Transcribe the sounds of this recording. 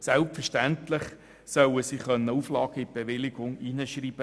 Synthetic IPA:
sɛlpfəʃtænt̪lɪχ | sœwəsiːχœnːəuflɑːɡ̥əɪb̥eʋɪlɪɡ̥ʊŋiːnəʃriːb̥ə

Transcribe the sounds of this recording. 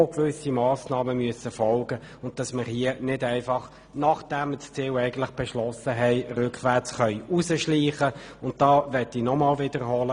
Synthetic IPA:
okʋʏsimɑːsnɑːməmyəsəfɔlɡ̥ə | ʊnt̚d̥ɑsməɾhiənɪdɛɪfɑχ | nɑχd̥æmt͡st͡siːwɛɪɡən̩tlɪχb̥ɛʃlɔsəɦɛɪɾʏkχʋæʁt͡sχœʏusəʃliːχəʊnt̚d̥ɑːvɛtinɔmɑːlvɪdəɾhɔlə

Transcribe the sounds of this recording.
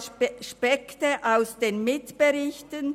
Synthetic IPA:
ʃpɛktəʔaʊsd̥eːnmɪtb̥əʁɪçtən

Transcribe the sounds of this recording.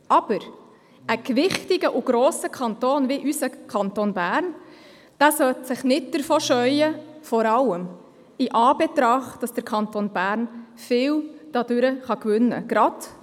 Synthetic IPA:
ʔɑb̥əɾ | əkʋɪχtɪɡ̥əʔʊɡ̥ɾoːsəkʰɑntoːnviʔysəkʰɑntonbæːɾn | d̥æːsœtsɪχnɪt̚d̥əɾfoːʃœʏəfɔɾɑləm | ɪʔɑːbɛtɾɑχd̥ɑsd̥əɾkʰɑnt̪oːnbæːɾnfɪːwd̥ɑdʉɾəχɑkvʏnːə̰ɡ̥ɾɑd̥

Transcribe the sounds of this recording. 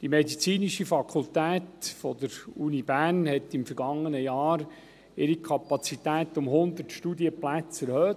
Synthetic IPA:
d̥imɛd̪it͡siːniʃifɑkʰʊlt̪æːt̪fɔd̪əɾunibæːnhɛt̪ɪmfəɾɡɑŋːənəjɑːɾ | ɪɾikʰɑpɑt͡sit̪æːt̪ʊmɦʊnd̪ətʃtudiəplæt͡sɛɾhøː

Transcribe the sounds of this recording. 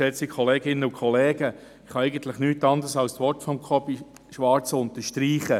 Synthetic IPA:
sɛt͡sikʰχɔleːɡɪnːəukʰχɔleːɡə | ɪχhɑɛɪɡənt̪lɪχnyːtɑnd̪əɾsɑlstʋɔɾtfɔmkʰɔb̥i | ʃʋɑɾt͡sʊnt̪əʃtɾiːχə

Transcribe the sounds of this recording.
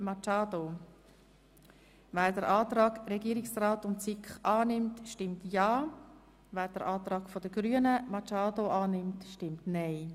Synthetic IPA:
mɑt͡ʃɑːdo | væːɾdəɾʔɑːtɾɑːɡɾɛɡiːɾɪksraːtʊntt͡sɪkχɑːnɪmtʃtɪmtjɑː | væːɾdəɾʔɑːtɾɑːɡfodəɡ̥ɾyənəmɑt͡ʃɑːdoʔɑːnɪmtʃtɪmtneɪ

